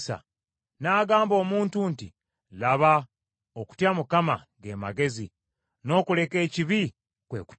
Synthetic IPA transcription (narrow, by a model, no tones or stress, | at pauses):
sa̰ | naːɡaːmbo̞ːmuːntunti | laβa | oku̥tjamukama̰ | ɡe̞ma̰ɡe̞zi | no̞ːkule̞ke̞ːciβi | kwe̞̰ːku̥